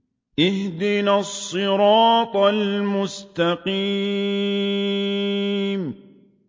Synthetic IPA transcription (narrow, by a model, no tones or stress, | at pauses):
ʔɪhd̪ɪnasˤːɨɾɑːt̪ˤalmʊst̪aqi | m